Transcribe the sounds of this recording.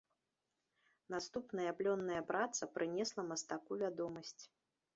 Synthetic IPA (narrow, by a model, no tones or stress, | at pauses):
nast̪upnɐjɐplʲɔnːɐjɐpɾat̪sɐpɾɨnʲɛslˠɐmɐst̪akuvʲad̪ɔmɐsʲt͡sʲ